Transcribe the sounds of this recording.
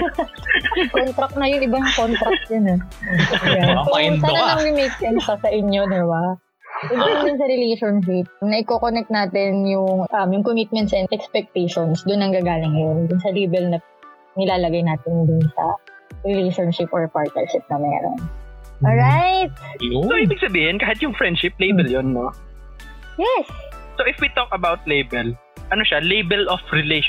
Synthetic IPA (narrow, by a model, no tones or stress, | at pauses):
kont̪ɾɐk̚nɐjʊŋʔɪbaŋkont̪ɾɐk̚t̪̚ɲʊnɐ | jjankojʊt̪ɐnɐnɐŋɾɪmit̪̚mɛnsɐsɐʔɪɲjo̞d̪ɛba | sɐɡind̪ʊnsɐɾɪlejʃonʃ̬ɪp̚nɐʔɪkoːkonɛk̚t̪naːt̪ɪnjʊŋʔɐmjʊŋkomɪt̪̚mɛnt̪sɛnd̪ɛkspɛk̚t̪ejʃonsd̪ʊnːɐŋɡaːɡaːlɪŋːɐjo̞nd̪ʊnsɐliːbɛlnɐ | nɪlaːlɐɡajnaːt̪ɪnd̪ʊnsɐ̰ɾɛlejʃonʃɪpʔoɹpaɹt̪̚nɛ̰ɹʃɪp̚nɐmɛ̰ːɾo̰nʔolɹajt̪̚soibɪɡ̚sɐbiːhɪnkaːhɪt̪jʊŋfɹɛnd̪ʃɪp̚lejbɛljonːo | jɛs | soʔɪfwit̪okɐbawt̪̚lejbɛl | ʔɐnoʃɐalejbɛlofɹɪleʃ